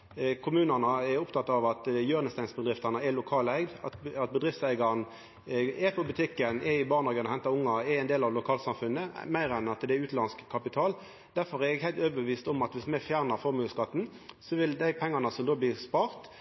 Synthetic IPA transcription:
kʰʊmʉːnæʁnɑɛɾʊpt̪ʰɑt̪ːɑʋɑt̪jøːʁnəst̪æɪnsbəd̪ʁɪft̪ɑnəɛlʊkʰɑːlæɪɡd̪ɑ̰t̪ɑt̪̚bəd̪ʁɪft̪sæɪɡɑʁn | ɛpʰɔbʉt̪ʰɪkːənɛɪbɑːʁnɑːɡənɔhɛnt̪ɑʊŋːɑɛɛɪnd̪eːlɑʋlʊkʰɑːlsɑmfʉnːəmæɪʁɛnɑt̪d̪ɛɛʉːt̪lɑnskkʰːɑpɪt̪ʰɑːl | d̪̥æʁfɔʁɛɛɡhæɪt̪øːʋəbəʋiːst̪ɔmɑt̪ʋɪsmɛfjæːʁnəʁfɔʁmʉːskɑt̪ːn̩ | sɔʋɪld̪æɪpʰɛŋːɑnɑsɔmd̪oːblɪːʁspɑːʁt̪

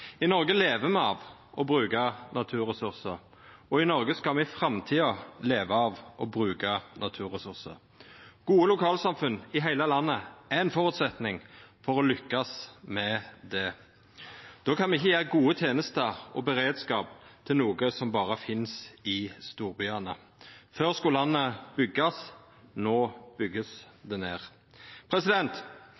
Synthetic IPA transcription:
ɪnɔʁɡəleːʋəmɛɑʋʔɔbʁʉːkɑnɑt̪ʰʉːɾʁɛsʉʁsəɾ | ɔɪnɔɾɡəskɑlmɛfɾɑmt̪ʰiːɑleːʋəɑʋʔɔbɾʉːkɑnɑt̪ʰʉːɾʁɛsʉʁsə̰ɾ | ɡ̥uːəlʊkʰɑːlsɑmfʉnːɪɦæɪləlɑnːəæɛnfɔʁʉːt̪sɛt̪nɪŋfɔʁɔlʏkːɑsmɛd̪ɛ | d̪̥oːkʰɑnmɛɪçːəjæːʁəɡuːət̪ʰjeːnəst̪əʁɔ̰bəʁeːd̪skɑːp̚t̪ʰɪlnuːɡəsɔmbɑːʁəfɪnsɪst̪uːʁbʏɑnə | føːʁskʊlɑnːəb̥ʏɡɑs | noːb̥ʏɡːəsd̪ɛneːʁ | pʰɾɛsɪd̪ɛnt̪

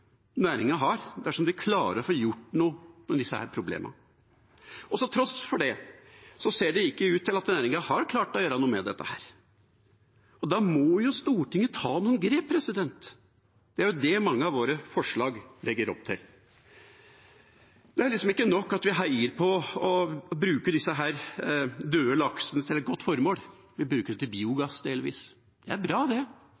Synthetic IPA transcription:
næːɾɪŋɑɦɑɾd̪æʂɔmd̪ɪkʰlɑːɾə̰ɾfɔjʊʈːnuːmɛd̪ɪsːəhæ̰ːɾpʰɾʊblḛːmʔɑ̰ | ɔsɔt̪ʰɾɔsfɔɖɛsɔseːɖɛɪkːəʉːt̪ʰːɪlɑt̪næːɾɪŋɑhɑɾkʰlɑːʈɔjøːɾɑnuːəmɛd̪ɛ̰t̪ːəhæːɾ | ɔd̪ɑmɔjʊst̪uːʈɪŋːət̪ʰɑːnuːənɡɾeːpʰːɾɛsɪd̪ɛnt̪ | d̪̥ɛæɾjʊd̪ɛmɑŋːəɑʋoːɾəfɔʂɭɑːɡlɛɡːəɾɔ̰p̚ːt̪ʰɪ̰l | d̪̥ɛæɾɭɪksɔmɪkːənɔkːɑt̪ʋɪɦæɪəɾpʰɔː | bɾʉːkəd̪ɪsːəɦæːɾd̪øːəlɑksənət̪ʰɪlɛt̪̚ɡɔt̪ːfɔɾmoːl | ʋɪbɾʉːkəɖt̪ɪlbiːʊɡɑsːd̪eːlɪʋḭːs | d̪̥ɛæɾbɾɑːd̪ɛ

